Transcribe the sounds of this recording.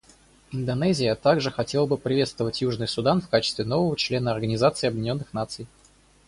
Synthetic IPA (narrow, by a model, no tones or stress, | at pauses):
ɪnd̪ɐnɛzʲɪjət̪aɡʐɨxɐtʲelˠəbɨpɾʲɪvʲe̞t̪st̪vəvətʲjuʐnɨjsʊd̪anfkat͡ɕɪst̪vʲɪno̞vəvət͡ɕlʲe̞nəɐrɡənʲɪzat̪sɨɪɐbjɪdʲɪnʲo̞nːɨxn̪at̪sɨj